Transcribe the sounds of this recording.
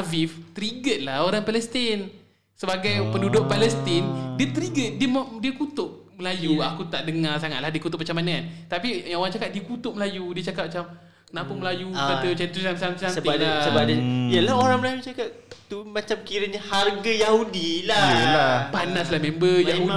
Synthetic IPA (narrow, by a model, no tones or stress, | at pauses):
avift̪əɾiɡət̪̚lahoɾaŋpalɛst̪in | səbaɡajpəndudʊʔ̚palɛst̪indiət̪əɾiɡət̪̚diəmdiəkut̪ʊʔ̚ | məlajuakut̪aʔdəŋarsaŋat̪̚lahdiəkut̪ʊt̚p̚mat͡ʃamanant̪apijaŋoɾaŋt͡ʃakat̪̚diəkut̪ʊʔ̚məlajudiət͡ʃakat̪̚mat͡ʃam | kənapəməlajukaat͡ʃɛnt̪usasant̪anəaasəbadajəlahoɾaŋməlajut͡ʃakatt̪umat͡ʃamkiɾəɲaharɡajahudilaəapanaslahmẽmbəjau